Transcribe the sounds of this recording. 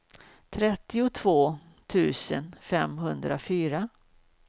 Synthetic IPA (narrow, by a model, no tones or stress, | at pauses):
t̪ʰɾɛt̪ːɪʊt̪ʰvoː | t̪ʰʉ̟ːsə̰nfɛmɦɵnd̪ɾafyːɾa